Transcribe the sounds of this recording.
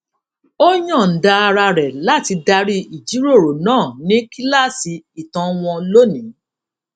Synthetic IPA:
o˦ɲɔ̃˦˨n̩˨da˧a˧ɾa˧ɾɛ˨la˦ti˧da˧ɾi˦i˨d͡ʒi˨˦ɾo˦˨ɾo˨nãː˦˨nĩ˦ki˦la˦˨si˧i˨tã˧˦w̃ɔ̃˧lo˦nĩ˨˦

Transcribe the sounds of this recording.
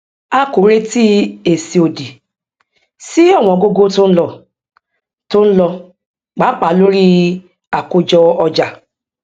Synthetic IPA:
a˦ko˨ɾe˦ti˦e˨si˨o˨di˨ | si˦ɔ˦˨w̃ɔ̃˨ɡo˦ɡo˦tʊ̃˦n̩˦lɔ˨ | tʊ̃˦n̩˦lɔ˧ | k͡pa˨˦k͡pa˨lo˦ɾi˦ | a˨kʊ˦d͡ʒɔ˦ɔ˧d͡ʒa˨

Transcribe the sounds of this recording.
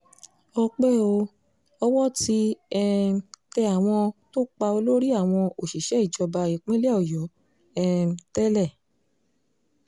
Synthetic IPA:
ɔ˧k͡pɛ˦˨o˧ | ɔ˧wɔ˦ti˨˦ɛ˦tɛ˧a˨w̃ɔ̃˧to˦k͡pa˧o˧lo˦ɾi˦a˦˨w̃ɔ̃˧o˨ʃi˨ʃɛ˨˦i˦˨d͡ʒɔ˧ba˧e˨k͡pẽ˦lɔ˨jɔ˨˦ | ɛ˦˧tɛ˦lɛ˦˨

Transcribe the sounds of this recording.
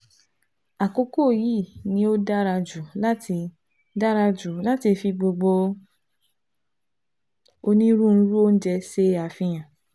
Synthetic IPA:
a˨ko˧˦ko˦˨ji˦˨nĩ˧˦o˦da˦ɾa˧d͡ʒu˨la˦tʰi˧ | da˦ɾa˧d͡ʒu˨la˦ti˧fi˧ɡ͡bo˧ɡ͡bo˧ | o˧nĩ˦ɾũ˦n̩˦ɾu˦o˦n̩˦d͡ʒɛ˧se˧a˨fĩ˧j̃ã˨

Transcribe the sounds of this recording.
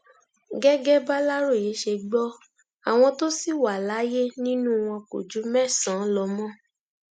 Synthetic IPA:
ɡɛ˦ɡɛ˦ba˦la˦ɾo˦˨je˨˦ʃe˧ɡ͡bɔ˦ | a˨w̃ɔ̃˧to˦si˦˨wa˨la˨˦je˦nĩ˦nũ˦w̃ɔ̃˧ko̰˨d͡ʒu˨˦mɛ˦˨sã˨˦lɔ˧mɔ̃˦

